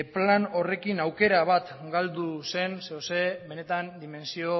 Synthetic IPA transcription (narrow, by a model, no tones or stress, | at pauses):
plano̞re̞kinawke̞ɾaβ̞at̪ɡald̪use̞nseose̞βe̞ne̞t̪and̪ime̞nsio̞